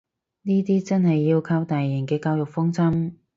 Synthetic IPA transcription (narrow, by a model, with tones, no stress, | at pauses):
niː˥t̪iː˥t͡sɐ˥nhɐ˨jːiː˧wkʰɐ˧wt̪aː˨jːɐ˨˩ŋkɛː˧kaː˧wjʊ˨k̚fʊ˥ŋt͡sɐ˥m